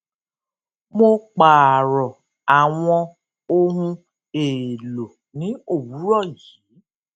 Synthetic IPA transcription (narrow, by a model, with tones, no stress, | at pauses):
mo˧k͡paː˨ɾɔ˨ | a˨w̃ɔ̃˧ | o˧ɦũ˧ | e˨lo˨ | nĩ˨˦o˦˨wu˨˦ɾɔ˦˨jiː˨˦